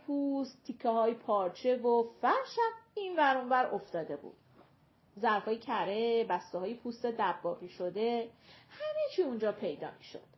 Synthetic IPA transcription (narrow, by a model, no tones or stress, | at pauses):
pʰuːst̪ʰːikʰːeɦɒːjpʰɒːɾt͡ʃʰe̞vofæɾʃæminvæɾunvæɾoft̪ɒːd̪e̞bṵd̪̥ | zæɾfɒːjecʰæɾebæst̪ɛɒːjepʰust̪ed̪æbːɒːbiːʃo̞d̪ehæmet͡ʃʰiːund͡ʒɒːpʰe̞jd̪ɒ̰ːmi̥ʃo̞̰d̪̥